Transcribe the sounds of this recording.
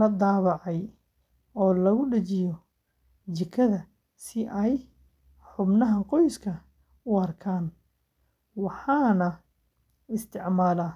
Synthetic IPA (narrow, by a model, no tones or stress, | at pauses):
lɐd̪ɑːβɑʕɑj | ɔːlɐɣʊɖɐt͡ʃɪjɔ | t͡ʃɪkʰːɐðɐ | sɪʔɛj | ħʊbnɐɦɐqɔjskʰɐ | ʊɐrkʰaːn | wɑħɑːnɐ | ɪst̪ʰɪʕmaːlaː